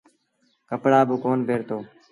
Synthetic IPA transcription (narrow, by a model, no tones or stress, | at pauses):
kəpɽaːbʊkoːnbʱeːɾt̪oː